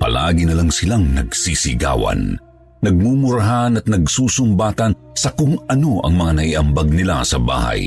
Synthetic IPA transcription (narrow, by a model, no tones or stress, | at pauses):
pɐ̰laːɡinɐlaŋsɪlaŋnɐɡsisɪɡa̰ːwɐ̰nː | ɐɡ̚mumʊɾɐɦanɐt̪̚nɐɡsuːsʊmbaːt̪ɐn | sɐkʊŋɐno̞ʔɐ̰ŋmɐŋanɐiʔɐmbaɡ̚nɪla̰sɐba̰ːhɐ̰j